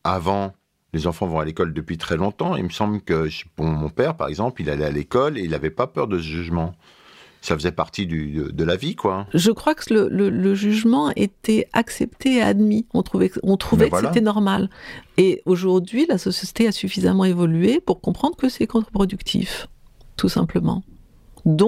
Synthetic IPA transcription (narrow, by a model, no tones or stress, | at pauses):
avɑ̃ | lezɑ̃fɑ̃vɔ̃alekɔld̪əpɥit̪χɛlɔ̃t̪ɑ̃ḭməsɑ̃blkəʒpumɔ̃pɛʁpaʁɛ̰ɡzɑ̃plilalɛalekɔleilavɛpapœʁd̪əsəʒyʒmɑ̃ | safəzɛpaʁt̪id̪yd̪əd̪əlavikwaʒəkχwakə̥lələləʒyʒmɑ̃et̪ɛa̰ksɛpt̪eːa̰d̪miɔ̃t̪χuvɛkɔ̃t̪χuvɛkvaseɛnɔʁmaleoʒuʁd̪ɥilasɔsjset̪easyfizamɑ̃evɔlyepuʁkɔ̃pχɑ̃d̪ʁəkəsɛkɔ̃t̪χəpχɔd̪ykt̪ʰḭf | t̪usɛ̰̃pləmɑ̰̃ | d̪ɔ̃